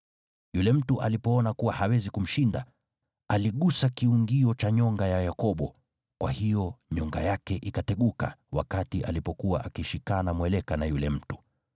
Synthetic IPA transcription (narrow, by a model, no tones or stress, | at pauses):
julɛm̩tuʔa̰lipɔɔnakuwahawɛzikum̩ʃinda̰ | aliɠusakiuŋɡiɔt͡ʃaɲɔŋɡajajakɔɓɔ | kwahijɔɲɔŋɡa̰jakɛʔikatɛɠuka̰wa̰katiʔalipɔkuwaʔakiʃikanamwɛlɛkanajulɛm̩tu̥